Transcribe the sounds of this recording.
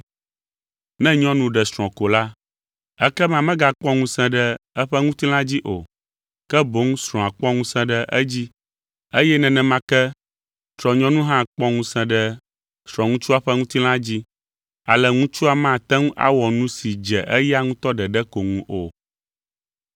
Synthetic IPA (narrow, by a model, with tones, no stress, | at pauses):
nɛ̃˦ɲɔ̃˦nũ˨ɖɛ˨sɾ̃ɔ̃˨ko˨la˦ | ɛ˦kɛ˦mã˦mɛ̃˦ɡa˨k͡pɔ˦ŋũ˦sɛ̃˦ɖɛ˦ɛ˦ɸɛ˦ŋũ˦t̪i˦l̃ã˦d͡ʑi˦ʔo˨ | kɛ˦bo˦ŋũ˦sɾ̃ɔ̃˨a˨k͡pɔ̃˦ŋũ˦sɛ̃˦ɖɛ˦ʔɛ˦d͡ʑi˦ | e˦jɛ˦nɛ̃˨nɛ̃˨mã˦kɛ˦ | t̪ɾɔ˨ɲɔ̃˦nũ˦ɦã˦k͡pɔ̃˦ŋũ˦sɛ̃˦ɖɛ˦ | sɾ̃ɔ̃˨ŋũ˦t͡ʃu˦a˦ɸɛ˦ŋũ˦t̪i˦l̃ã˦d͡ʑi˦ | a˨lɛ˨ŋũ˦t͡ʃu˦a˨mã˦˨t̪ɛ˦ŋũ˦ʔa̰˦wɔ˨nũ˦si˨d͡ʒɛ˨ʔɛ˦ja˦ŋũ˦t̪ɔ˦ɖɛ˨ɖɛ˦ko˨ŋũ˨ʔo˨